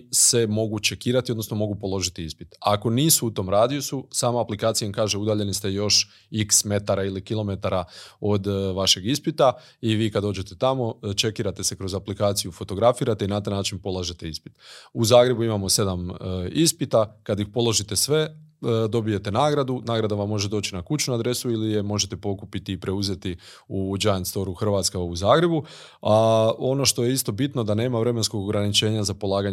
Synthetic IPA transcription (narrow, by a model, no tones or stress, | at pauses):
se̞mo̞ɡut͡ʃe̞kiːɾat̪iod̪nosno̞mo̞ɡupo̞lo̞ʒit̪iispi̥t̪a̰ko̞niːsuut̪o̞ːmɾaːd̪ijususaːmaaplikaːt̪ijmkaːʒeud̪aːʎe̞nist̪e̞jo̞ʃ | iksme̞t̪aɾailikilˠo̞me̞t̪aɾao̞d̪ʋaʃe̞ɡispit̪a | iʋiːkad̪o̞ːd͡ʑe̞t̪et̪amo̞t͡ʃe̞kiːɾat̪e̞se̞kɾo̞zaplikaːt̪sijufo̞t̪o̞ɡɾafiːɾat̪einat̪ajnaːt͡ʃinpo̞laʒe̞t̪e̞ispi̥t̪uzaːɡɾe̞buimamo̞se̞d̪amispit̪akad̪jixpo̞lˠo̞ʒit̪e̞sʋe̞d̪o̞bije̞t̪e̞naːɡɾad̪unaːɡɾad̪aʋamːo̞ʒe̞d̪o̞ːt͡ʃinakut͡ʃɲuad̪ɾe̞suilije̞mo̞ʒet̪e̞po̞kupit̪iːpɾe̞uze̞t̪i | ud͡ʒajant̪st̪o̞ɾuxr̩ʋat̪skauzaːɡɾe̞bu | ao̞no̞ʃt̪o̞jeist̪o̞bit̪nod̪ane̞ːmaʋɾe̞mensko̞ɡoɡɾanit͡ʃe̞ːɲazapo̞lˠaːɡaɲ